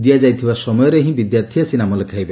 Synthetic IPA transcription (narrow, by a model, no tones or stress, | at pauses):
d̪ijad͡ʒajt̪ʰibasɔmɔjɔɾeɦĩbid̪jaɾt̪ʰijasinamɔlekʰajbe